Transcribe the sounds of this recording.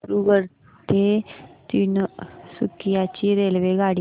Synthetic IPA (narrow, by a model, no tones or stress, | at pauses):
ɾuɡəɾ | t̪et̪insukijat͡ɕiɾeːlʋeɡaɽi